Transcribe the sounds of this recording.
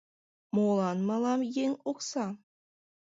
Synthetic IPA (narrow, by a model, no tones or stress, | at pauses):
molˠɑnmɑlˠɑmjeŋoksɑ